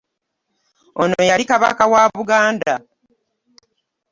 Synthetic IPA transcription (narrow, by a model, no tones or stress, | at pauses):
onojaɾikaβa̰kawaːβuɡaːnda